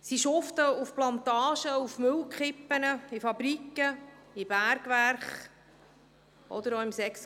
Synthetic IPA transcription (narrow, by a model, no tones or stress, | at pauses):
siʃoft̪əufplɑnt̪ɑːʃəufmʏlkχɪpːənəifɑbɾikːəib̥æɾɡʋæɾχ | ʔɔ̰d̪əɾɔɪmsɛks